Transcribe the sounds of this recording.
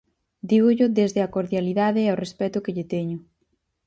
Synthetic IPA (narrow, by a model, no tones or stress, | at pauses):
d̪iɣʊʎʊðezðɪɐkoɾðjaliðaðɪawrespɛt̪ʊkeʎɪt̪ɛɲʊ